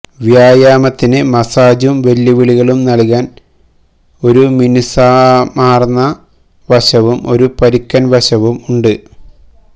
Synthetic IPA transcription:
ʋjaːjaːmɐt̪ːinɨmɐsaːd͡ʑumʋe̞lːiʋiɭiɣɐɭumnɐlkaːn | o̞ɾuminisaːmaːrnːɐ | ʋɐɕɐʋumo̞ɾupɐɾikʲːɐnʋɐɕɐʋumuɳɖɨ

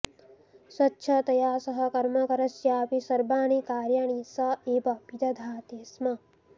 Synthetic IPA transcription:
sɐtːʃʰɐt̪ɐjaːsɐɦɐ̆kɐɾmɐkɐɾɐsjaːpisɐɾbaːnikaːɾjaɳ̃isɐeːbɐpit̪ɐd̪ʱaːt̪eːsmɐ

